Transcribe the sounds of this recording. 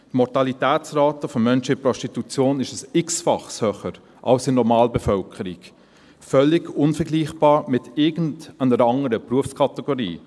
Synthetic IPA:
tmɔɾtɑlitɛːt͡sraːtəfɔmœnʃəɪpɾɔstitut͡sjoːnɪʃəsɪksfɑχshœχəɾ | ʔɑwsɪnɔɾmɑːlbɛfœlkʰəɾik | fœlːɪɡʊnfəɡliːχb̥ɑːɾmɪtɪɡn̩dənəɾɑŋəɾəpɾuəfskʰɑtɛɡoɾḭː

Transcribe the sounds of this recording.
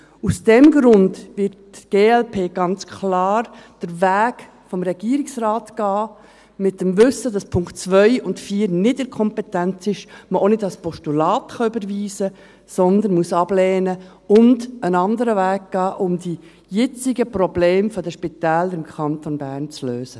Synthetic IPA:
usd̥ɛmɡɾʊndvɪɾtɡ̥eːɛlpʰeːɡ̥ɑnt͡skʰlɑːɾd̥əɾvæːɡ | fɔmɾɛɡ̥iːəɾɪksrɑːtɡ̥ɑː | mɪtːəmvʏsədɑspʰʊŋktt͡sʋœʏʊntfiːɾnɪdɪkʰɔmpɛtænt͡sɪʃməonɪdɑspʰɔʃtulɑːtχɑʏbəɾviːzə | sɔnd̪ənmuəsɑb̥lɛːnə | ʊndənɑnd̪əɾəʋæːɡ̚ɡ̥ɑːʔʊmdi | jɛt͡sɪɡəprɔbleːmfɔdəʃpitæːləɾɪmkχɑntonbæːɾnt͡sløːz̥ə

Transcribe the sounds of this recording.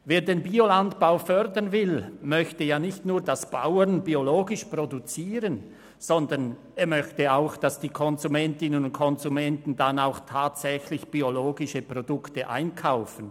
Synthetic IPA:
veːɐdeːnbiolantb̥aʊfœʁdɐnvɪlmœçtəjaːnɪçtnuːɐdasb̥a̰ʊənbioloːɡɪʃpʁodut͡siːʁən | z̥ɔndɐn | eːmœçtəaʊxd̥asd̥iːkʰɔnzumɛntɪnənʊntkʰɔnzumɛntn̩danaʊxtʰaːtsɛçlɪçb̥ioloːɡɪʃəpʁodʊktəʔa̰ɪnkʰaʊfən̩

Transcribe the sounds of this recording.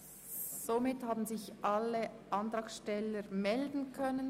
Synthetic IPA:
z̥omɪthaːbn̩zɪçʔaləʔɑntʁɑːkʃtɛləɾmɛldn̩kʰœnən

